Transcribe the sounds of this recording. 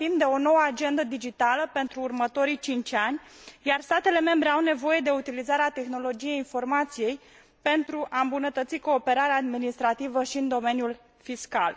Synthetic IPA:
imd̪e̞o̞no̞wəad͡ʒe̞nd̪əd̪id͡ʒit̪aləpe̞nt̪ɾuːrmət̪o̞ɾijt͡ʃint͡ʃanʲjarst̪at̪e̞le̞me̞mbɾe̞awne̞vo̞je̞d̪e̞ut̪ilizaɾeat̪e̞xno̞lo̞d͡ʒije̞jinfo̞rmat̪sije̞j | pe̞nt̪ɾuʔaɨmbunət̪ət̪siko̞ːpe̞ɾaɾeaːd̪minist̪ɾat̪ivəʃiɨnd̪o̞me̞njul | fiska̰l

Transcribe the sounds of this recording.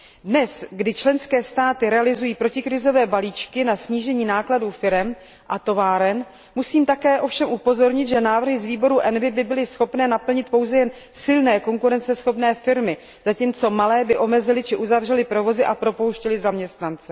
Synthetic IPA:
dnɛsɡdɪt͡ʃlɛnskɛːst̪aːt̪ɪɾɛalɪzujiːpɾo̞cɪkɾɪzo̞vɛːbaliːt͡ʃkɪnasɲiːʒɛɲiːnaːkladuːfɪɾɛm | ʔat̪o̞vaːɾɛn | musiːmt̪akɛːʔo̞fʃɛmʔupo̞zo̞ɾɲɪt̪ʒɛnaːvr̩ɦɪzviːbo̞ɾuʔɛnvɪbɪbɪlɪsxo̞pnɛːnapl̩ɲɪt̪̚po̞wzɛjɛn | sɪlnɛːko̞ŋkuɾɛnt͡sɛsxo̞pnɛːfɪɾmɪ | z̥aciːmt͡so̞malɛːbɪʔo̞mɛzɪlɪt͡ʃɪʔuzavr̝ɛlɪpɾo̞vo̞zɪʔapɾo̞po̞wʃcɛlɪzamɲɛst̪nant͡sɛ

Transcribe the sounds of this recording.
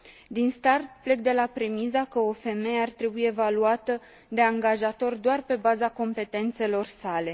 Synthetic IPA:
d̪inst̪art̪ple̞k̚d̪e̞lapɾe̞mizakəofe̞meeart̪ɾe̞bujeevaluat̪ə | d̪e̞aŋɡaʒat̪o̞rʲd̪oarpe̞bazako̞mpe̞t̪e̞nt̪se̞lo̞rsale̞

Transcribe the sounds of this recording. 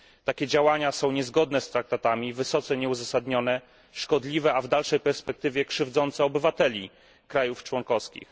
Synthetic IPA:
t̪akʲɛd͡ʑawaɲasɔ̃w̃ɲɛzɡɔd̪nɛst̪ɾak̚t̪at̪amʲivɘsɔt̪sɛɲɛuzasad̪ɲɔnɛ | ʂkɔd̪lʲivɛavd̪alʂɛjpɛɾspɛk̚t̪ɘvʲjɛkʂɘvd̪zɔnt̪sɛɔbɘvat̪ɛlʲi | kɾajuft͡ʂwɔŋkɔfskʲḭx

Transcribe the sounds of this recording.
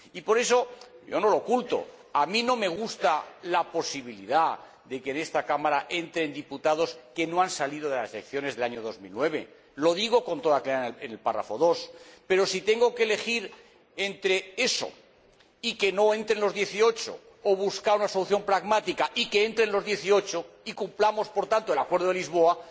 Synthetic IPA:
ipo̞ɾe̞so̞ɟ͡ʝo̞no̞lo̞kult̪o̞̰ | amĩno̞me̞ɣ̞ust̪alapo̞siβ̞iliða | ðe̞keːne̞st̪akamaɾaʔe̞nt̪ɾe̞nd̪iput̪að̞o̞ske̞no̞ansalið̞o̞ðelaselekθjo̞ne̞zðe̞laɲo̞ð̞o̞zmḭlnwe̞β̞e̞̰ | lo̞ð̞iɣ̞o̞ko̞nt̪o̞ðakleaenelpara̰fo̞ðo̞spe̞ɾo̞sit̪e̞ŋɡo̞keːle̞xiɾ | e̞nt̪ɾe̞e̞so̞̰ | ike̞no̞e̞nt̪ɾe̞nlo̞zðje̞θio̞t͡ʃo̰ː | βuskaunaso̞luθjo̞mpɾaɣmat̪ikaʔikeent̪ɾe̞nlo̞zðje̞θio̞t͡ʃo̞ikumplamo̞spo̞ɾt̪ant̪oe̞lakwe̞ɾðoelizβ̞o̞a

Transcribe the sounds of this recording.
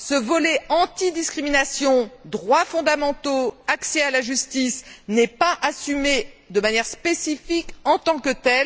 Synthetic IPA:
səvɔlɛɑ̃t̪id̪iskχiminasjɔ̃d̪ʁwafɔ̃d̪amɑ̃t̪oaksɛalaʒyst̪isnɛpaʔasymed̪əmanjɛʁspesifikɑ̃t̪ɑ̃kət̪ɛl

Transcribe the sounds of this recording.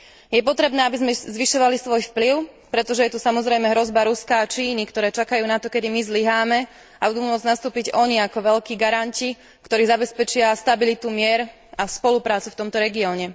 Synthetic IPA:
jɛp̬ɔt̪ɾɛbnɛːabizmɛzʋiʃɔʋalisʋɔjfpliʊpɾɛt̪ɔʒɛjɛt̪usamɔzɾɛjmɛɦɾɔzbaɾuskaːt͡ʃiːnikt̪ɔɾɛːt͡ʃakajuːnat̪ɔkɛd̪imizliɦaːmɛ | abud̪uːmʊɔd͡znast̪uːpiɟɔɲiakɔʋɛʎkiːɡaɾanci | kt̪ɔɾiːzabɛspɛt͡ʃɪast̪abilit̪umɪɛɾ | aspɔlupɾaːt͡suft̪ɔmt̪ɔɾɛɡiɔːɲɛ

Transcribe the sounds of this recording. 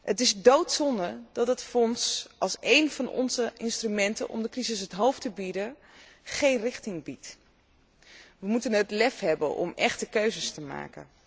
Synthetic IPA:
hətɪzdowtsɔndəɹdɑtətfɔnsʔɑlˠsejnvɑnʔɔ̰nzəɪnstrymɛntə̰nʔɔ̰mdəkrizɪsɦətɦowftəbidə | χejnrɪχtɪŋbit | ʋəmutənətlɛfɦɛbə̰nʔɔ̰mɛχtəkøɥzəstəma̰ːkə̰n

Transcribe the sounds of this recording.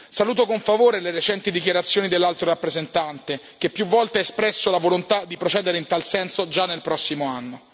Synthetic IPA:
saluːt̪̬okoɱfavoːɾeleɾet͡ʃɛnt̪id̪ikjaɾat̪sːjoːnid̪elːalt̪ɾoɾapːɾezent̪ant̪e | k̟epːjuvːɔlt̪eɛespɾɛsːolavolont̪ad̪ːipɾot͡ʃɛːd̪eɾeint̪alsɛnsod͡ʒanːelpɾɔsːimoanːo

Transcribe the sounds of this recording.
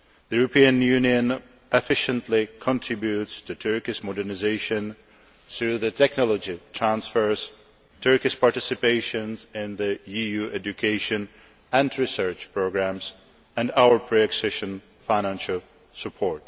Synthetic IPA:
ðəjuɹopĩə̃njʉniə̃n | ɛfɪʃə̃ntʰlɪkʰɔ̃ntʰɹ̥ɪbjutstʰutʰɜ˞kɪʃmɔdəɹnɪzeɪʃə̃n | θɹuðɨtʰɛknɔlˠɔd͡ʒitʰɹæ̃nsfə˞z̥ | tʰɜ˞kɪʃpɑɹtɪsɪpeɪʃə̃nzɪ̃nðɨjijuʔɛd͡ʒukʰeɪʃɨ̃n | æ̃ndɹɪsɜ˞t͡ʃpʰɹoɡɹæ̃ms | æ̃ndawə˞pʰɹiɛksɛʃə̃n | faɪñæ̃nʃəl̩ˠ | səpʰɔɹt

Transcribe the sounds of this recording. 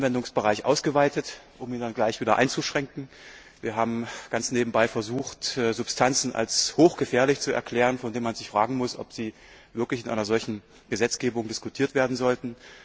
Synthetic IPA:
nvɛndʊŋsb̥əʁaɪçʔa̰ʊsɡ̥əvaɪtət | ʔʊmiːndanɡlaɪçv̥iːdɐ̰ʔa̰ɪnt͡suʃʁ̥ɛŋkŋ̩ | viːɐɦaːbm̩ɡ̥ant͡sneːbm̩baɪfɛɐzuːxtːzʊpstʰant͡sn̩ʔa̰lshoːxɡ̥əfɛːɐlɪçt͡suɛ̰ɐkl̥ɛːʁ̞ənfɔndeːnmanzɪçfʁ̥aːɡŋ̩mʊsʔɔ̰pz̥iː | vɪɐklɪçɪnʔa̰ɪnɐzɔlçn̩ | ɡ̥əzɛt͡sɡ̥eːbʊŋdɪskutʰiːɐtv̥eːɐdn̩zɔltn̩

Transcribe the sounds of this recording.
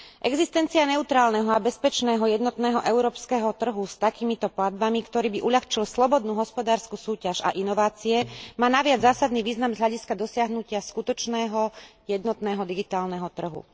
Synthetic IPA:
ʔɛɡzist̪ɛnt͡sianɛut̪ɾaːlnɛɦɔabɛspɛt͡ʃnɛːɦɔjɛd̪nɔt̪nɛːɦɔʔɛʊɾɔːpskɛɦɔt̪r̩ɦust̪akiːmit̪ɔplad̪̚bamikt̪ɔɾiːbiʔuʎaxt͡ʃilslɔbɔd̪nuːɦɔspɔd̪aːɾskusuːcaʒa̰ʔinɔʋaːt͡siɛmaːnaʋɪad͡zzaːsad̪niʋiːznamzɦʎaɟiskad̪ɔsɪaɦnucɪaskut̪ɔt͡ʃnɛːɦɔjɛd̪nɔt̪nɛːɦɔd̪iɡit̪aːlnɛɦɔt̪r̩ɦṵ

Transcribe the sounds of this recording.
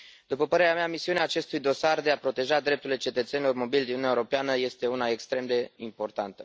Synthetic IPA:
d̪upəpəɾe̞ɾeameamisiuneaːt͡ʃe̞st̪ujd̪o̞sard̪e̞apɾo̞t̪e̞ʒad̪ɾe̞p̚t̪uɾile̞t͡ʃe̞t̪ət̪se̞nilo̞rmo̞bilʲd̪innaeuoɾo̞peanəje̞st̪e̞unae̞kst̪ɾe̞md̪e̞impo̞rt̪ant̪ə

